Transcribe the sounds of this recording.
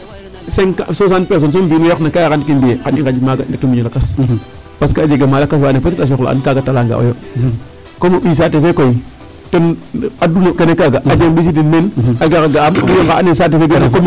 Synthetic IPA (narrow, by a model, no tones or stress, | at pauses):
senkasos̬anpes̬ons̬ombiːnojoknakajakantkinbijekaniŋkad͡ʒimaɡanditumiɲolakas | paskaːd͡ʒeɡemalakas̬baanepatiɗas̬oklo̰a̰nkaɡatalaŋɡa̰o̰jo | komoɓis̬atefekoi | tonadunokenekaɡaad͡ʒeŋɓis̬idinmenaɡakaɡaamdujoŋkaʔa̰nesat̬efeɡenakom